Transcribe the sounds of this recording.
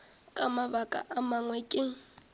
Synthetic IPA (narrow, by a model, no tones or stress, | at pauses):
kʼamaβakʼa̰ʔamaŋwɛkʼɪ